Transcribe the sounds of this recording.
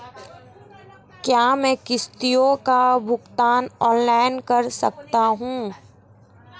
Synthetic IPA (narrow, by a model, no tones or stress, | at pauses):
kjaːmɛ̃ːkɪst̪ijõkabʱʊɡt̪aːnɔːnlaːɪnkɐɾsɐk̚t̪aɦũː